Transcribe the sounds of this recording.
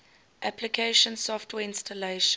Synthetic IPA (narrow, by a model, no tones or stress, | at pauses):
ʔæplikʰeɪʃə̃nsɔftwɛːɪ̃nstəleɪʃ